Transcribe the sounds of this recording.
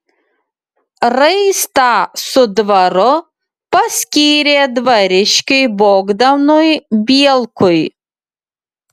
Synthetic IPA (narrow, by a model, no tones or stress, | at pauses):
ɾɐɪst̪ɑːsʊd̪ʋɐɾʊ | pɐsʲkʲiːɾʲeːd̪ʋɐɾʲɪʃʲkʲʊjboːɡd̪ɐnʊjbʲiɛlˠkʰʊj